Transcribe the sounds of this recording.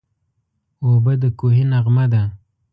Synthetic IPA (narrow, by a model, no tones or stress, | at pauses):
obad̪əkoɦinaʁmad̪a